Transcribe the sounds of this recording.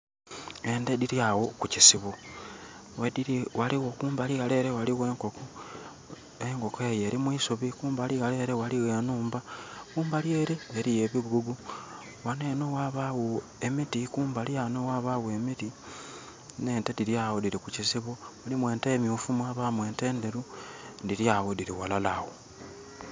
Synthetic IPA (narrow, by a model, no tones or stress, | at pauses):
e̞ndediɾjawokucisiβo | wediwaliwokuːmbaliɣale̞ːɾewaliɣwe̞ːŋkoko | eŋko̞keje̞ɾimwisuβikuːmbaliɣale̞ːɾewaliwenuːmbakuːmbaljeːɾeeɾijeβiɡuɡu | wanenowaβawuemitikuːmbalianowaβawue̞miti | ne̞ːntediɾjaːwodiɾikucisiβomulimwe̞ːntemjufumwaːβamwe̞ːnte̞ːnde̞ɾundiɾjawodiɾiwalalawo